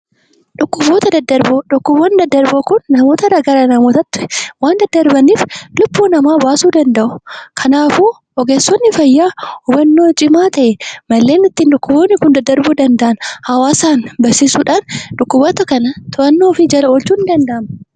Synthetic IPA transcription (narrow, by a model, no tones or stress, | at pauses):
ᶑʊkːʊboːt̪ɐd̪ɐd̪ːɐɾboᶑʊkːʊbɔnd̪ɐd̪ːɐɾbokʊnːɐmo̞ːt̪ɐɾɐɡaɾɐnɐmoːt̪ɐt̪ːʊ̥ɛwaːnd̪ɐd̪ːɐɾbɐniːflʊbːuːnɐmaːbaːsuːd̪ɐnd̪ɐʔʊ̥kʰɐnaːfu | ʔɔɡeːsːɔnːɪfɐjːaːhʊbɐnːoːt͡ʃʼɪmaːt̪ɐʔɛmɐlːe̞ːnɪt̪ːinᶑʊkːʊboːnːɪkʊnd̪ɐd̪ːɐɾbod̪ɐnd̪ɐʔɐnhɐwaːsaːnbɐsiːsuːᶑaːnᶑʊkːʊboːt̪ɐkɐnɐt̪ʰʊʔɐnːoːfɪd͡ʒɐlɐolt͡ʃuːnd̪ɐnd̪ɐʔɐmɐ